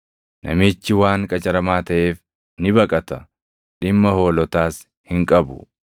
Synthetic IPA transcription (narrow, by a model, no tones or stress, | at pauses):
nʔɐ̰mɪːt͡ʃːɪwaːŋkʼɐt͡ʃʼɐɾɐmaːt̪ɐʔe̞ːf | nɪbɐkʼɐt̪ɐ | ᶑɪmːɐho̞ːlɔt̪aːs | hɪŋkʼɐbʊ̰